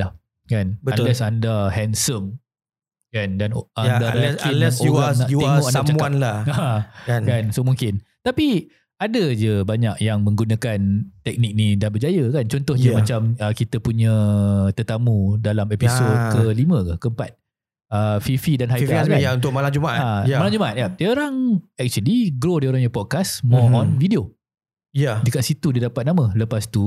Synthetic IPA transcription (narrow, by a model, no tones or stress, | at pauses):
lah | kanbəalɛsandaɦɛnsəm | kandanadaɛskinɛsuanaʔ̪imanamt͡ʃaukaanlaakankansomuŋkɪnt̪api | adəd͡ʒəbaɲak̚jaŋmə̃ŋɡunakant̪ɛk̚nik̚nidanbərd͡ʒajəkant͡ʃɔnt̪ʊhd͡ʒəmãt͡ʃaməkit̪əpuɲə̃t̪ərt̪amũdalamepisod̪̚kəlimə̃kakəəmpat̪̚ | əfifidanɦajksaaunt̪ʊk̚malamd͡ʒumaʔaamalamd͡ʒumaʔat̪̚jadioɾaŋɛk̚t͡ʃuəliɡɾodioɾaŋjapɔd̚kasmɔɔnvidio | jadəkaʔsit̪udiədapat̪̚namə̃ləpast̪u